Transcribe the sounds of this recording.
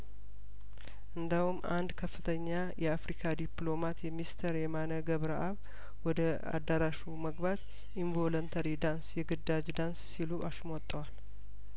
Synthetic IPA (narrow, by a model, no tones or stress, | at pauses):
ʔɨnd̪əhumʔa̰nd̪kʰəfːɨt̪ʰəɲːajʔɛafɾikʰad̪iplo̞mat̪jɛmist̪ʰəɾɛmanəɡəβɾaʔaβ | wɔd̪ə | a̰d̪ːəɾaʃuməɡbat̪ | ʔiɱvolənt̪ʰəɾid̪ansjɛɡɨd̪ad͡ʒd̪ansːiluʔaʃmɔt̪ʼːəwal